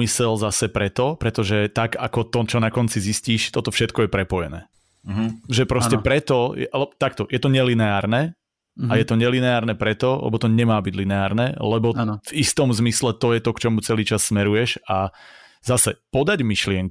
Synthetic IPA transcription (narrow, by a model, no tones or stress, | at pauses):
misɛlzasɛpɾɛt̪ɔpɾɛt̪ɔʒɛt̪aɡakɔt̪ɔt͡ʃɔnakɔnt͡sizisciːʃt̪ɔt̪ɔfʃɛt̪kɔjɛpɾɛpɔjɛ̰nɛ̰ː | ʒɛpɾɔscɛpɾɛt̪ɔjɛʔalɛbɔt̪ak̚t̪ɔjɛt̪ɔɲɛlinɛaːɾnɛ | ajɛt̪ɔɲɛlinɛaːɾnɛpɾɛt̪ɔlɛ̰bɔt̪ɔɲɛmaːbiɟlinɛaːɾnɛːlɛbɔvist̪ɔmzmislɛt̪ɔjɛt̪ɔkt͡ʃɔmut͡sɛliːt͡ʃasːmɛɾujɛʃa | zasɛpɔd̪aɟmiʃlɪɛŋk